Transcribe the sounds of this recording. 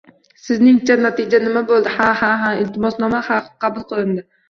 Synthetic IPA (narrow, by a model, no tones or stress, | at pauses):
sɪznɪŋt͡ʃʰanat̪ʰɪd͡ʒanɪmabolˠd̪ɪhahaɦaɪlt̪ʰɪmɒsnɒmahaqqʰɑbʊlˠqɨlˠɪnd̪ɪ